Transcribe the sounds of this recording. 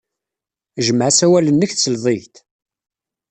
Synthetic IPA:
ʒəmʕasæwælənːəçθt͡sːəlðˤeʝt̪

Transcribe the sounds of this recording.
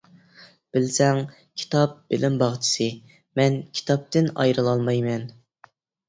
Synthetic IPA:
b̥ɪlsɛŋ | kʲʰi̥t̪ʰɑp̚bɪlɪmbɑʁt͡ʃʰi̥sɨ | mɛnkʲʰi̥t̪ʰɑp̚t̪ɪnɑ̰jɾɨlˠɑlˠmɑjmɛn

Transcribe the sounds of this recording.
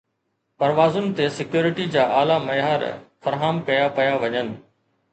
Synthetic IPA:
pɐɾʋaːzʊnɪ̆t̪esɪkjoːɾɪʈid͡ʑaːʔaːlamɐjaːɾ̰fɐɾɦaːmkɐjapɐjaʋɐɲənɪ̆

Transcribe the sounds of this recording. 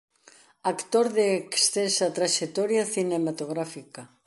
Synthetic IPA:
akt̪oɾðeːksθensat̪ɾaʃet̪ɔɾjaθinemat̪oɣɾafika

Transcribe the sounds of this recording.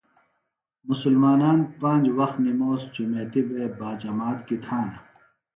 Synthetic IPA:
mʊsulmaːnaːnpãːɲd͡ʑwɐxt̪nimoːsd͡ʑumeːt̪ibeːbaːd͡ʑɐmaːt̪kit̪ʰãːna

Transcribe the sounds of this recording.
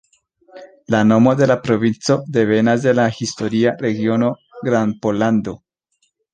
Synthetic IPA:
lano̞mo̞d̪e̞lapɾo̞vint͡so̞d̪e̞ve̞nas̬de̞lahisto̞ɾiaɾe̞ɡio̞no̞ | ɡɾanpo̞land̪o̞

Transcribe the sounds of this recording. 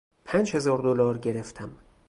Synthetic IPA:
pʰæːnd͡ʒhe̞zɒːɾd̪olɒːɾɟeɾeft̪ʰæm

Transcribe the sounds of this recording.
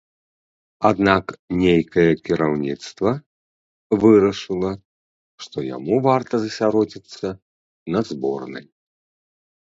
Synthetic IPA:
ad̪naknʲejkɐjɛkʲiɾawnʲit̪st̪vɐ | vɨɾɐʂɨlˠɐ | ʂt̪ɔja̰muvart̪ɐzɐsʲaɾɔd͡zʲit̪sːɐ | nɐd̪zbɔ̰rnɐ̰j

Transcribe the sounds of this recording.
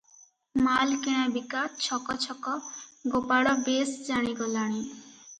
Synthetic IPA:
malkeɽ̃abikatt͡ɕʰɔkɔt͡ɕʰɔkɔɡopaɽɔbesd͡ʒaɽ̃iɡɔlaɽ̃i

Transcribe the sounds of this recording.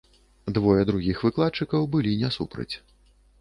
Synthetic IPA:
d̪vɔjɛd̪ɾuɣʲixvɨklˠat̪t͡ʂɨkɐwbɨlʲinʲɛsupɾɐ̰t͡sʲ

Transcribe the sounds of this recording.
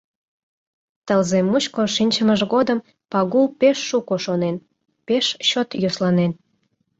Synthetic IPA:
t̪əlzemut͡ɕkoʃinʲt͡ɕəməʒɣod̪əm | pɑɣulpeʃːukoʃonen | peʃɕot̪joslɑnen

